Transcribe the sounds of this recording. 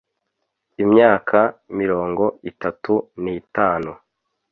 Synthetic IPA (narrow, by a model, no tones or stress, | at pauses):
imɲaːkʰamiɾo̞ːŋɡo̞itatunitaːnu